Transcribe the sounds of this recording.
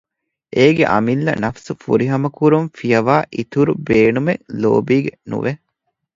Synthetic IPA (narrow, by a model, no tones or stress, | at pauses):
ʔeːɡḛʔɐ̰milːɐ̰nɐfsufuɾiɦɐmɐkuɾumfijɐʋaːʔit̪uɾubeːnumelo̰ːbiːɡenṵʋe